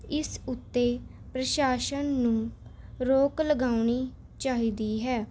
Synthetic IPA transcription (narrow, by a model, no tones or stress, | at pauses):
ɪsʊt̪ːeː | pɾəʃaːʃənːũːɾoːkləɡaːʊniː | t͡ʃaːɦiːd̪iːɦɛː